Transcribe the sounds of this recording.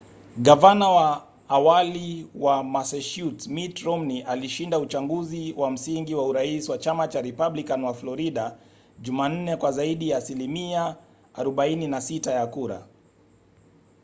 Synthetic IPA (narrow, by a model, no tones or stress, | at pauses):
ɠavanawaː | waliwamasɛʃutmitɾɔmniʔaliʃindaut͡ʃaŋɡuziwam̩siŋɡiwauɾaisiwat͡ʃamat͡ʃaɾɛpaɓlikanwaflɔɾiɗa | ʄuman̩nɛkwazaiɗijaːsilimia | aɾɔɓaininasitajakuɾa̰